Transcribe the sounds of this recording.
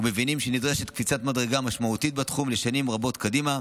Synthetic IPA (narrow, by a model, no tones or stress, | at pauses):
ume̞vinimʃenidʁeʃet̪kfit͡sat̪madʁeɡamaʃmaut̪it̪̚batχumle̞ʃanimʁabo̞tkadima